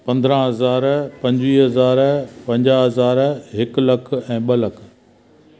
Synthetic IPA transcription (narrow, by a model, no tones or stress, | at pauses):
pɐ̃nd̪ɾə̃ɦɐzaːɾpɐ̃ɲd͡ʑʋiːɦɐzaːɾpɐ̃ɲd͡ʑaːɦɐzaːɾɦɪklɐkʰɛ̃ːɓɐlɐkʰ